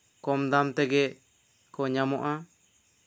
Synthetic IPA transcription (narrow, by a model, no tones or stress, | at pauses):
kɔmd̪amt̪ɛɡɛ | kɔɲamɔʔa